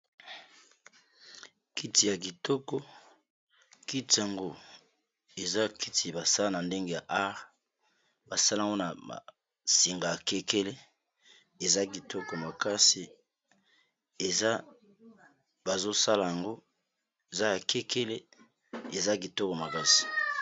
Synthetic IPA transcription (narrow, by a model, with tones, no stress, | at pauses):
ki˦ti˨ja˨k̬i˨tɔ˦kɔ˦ | ki˦ti˨ja˨ŋɡo˦ | e˨za˦ki˦ti˨ba˨sa˦la˦na˨nde˦ŋɡe˦ja˨ʔa˦ʁ | ba˨sa˦lŋɡo˦na˨a̰˨ | si˨ŋɡa˨ja˨ke˦ke˦le˦ | e˨za˦k̬i˨tɔ˦kɔ˨ma˨ka˦si˨ | e˨za˦ | ba˨zo˦sa˦la˨ja˨ŋɡo˦ | e˨za˦ja˨ke˦kʰe˦le˦ | e˨za˦k̬i˨tɔ˦kɔ˨ma˨ka˦si̥˨